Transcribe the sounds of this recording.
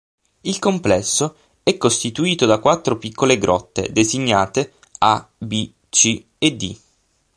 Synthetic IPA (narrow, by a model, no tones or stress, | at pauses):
ilkomplɛsːo | ɛkːost̪it̪uiːt̪od̪akwat̪ːɾopikːoleɡɾɔ̰t̪ːḛd̪eziɲːaːt̪e | abi | t͡ʃi | ed̪ḭ